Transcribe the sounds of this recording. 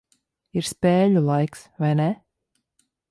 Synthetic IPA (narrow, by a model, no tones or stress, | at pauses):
iɾspeːʎulˠajksvajnɛ